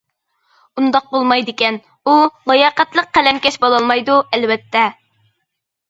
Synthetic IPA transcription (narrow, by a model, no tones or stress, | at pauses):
und̪ɑq̚bolˠmɑjd̪ɪkʲɛn | ulˠɑjɑːqæt̪lˠəqqːælɛmkʲɛʃbolˠɑlˠmɑjd̪uɛlvɛt̪ʰːɛ